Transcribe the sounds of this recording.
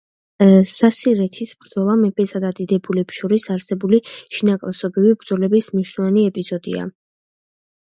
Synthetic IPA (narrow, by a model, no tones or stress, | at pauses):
sasiɾɛt̪ʰisbɾd̪zɔlˠamɛpʰʼɛsad̪ad̪id̪ɛbulɛpʃɔɾisaɾsɛbuliʃinakʼlˠasɔbivibɾd̪zɔlɛbismniʃwnɔvaniɛpʼizɔd̪ḭa̰